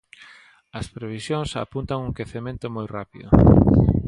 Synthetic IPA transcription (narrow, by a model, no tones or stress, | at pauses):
ɐspɾeβ̞isjoŋsa̰punt̪aŋuŋkeθemẽnt̪ʊmojrapiðʊ̰